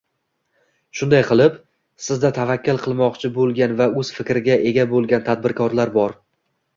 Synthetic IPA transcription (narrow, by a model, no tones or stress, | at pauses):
ʃʊnd̪ajqʰɨlˠɪp | sɪzd̪at̪ʰavakʲːɪlˠqʰɨlˠmɒqt͡ʃʰɪbolˠɡʲanvaɵz̥fɪkʲɾɪɡʲaʔe̞ɡʲabolˠɡʲant̪ʰad̪̚bɪɾkʰɒɾlaɾbɒɾ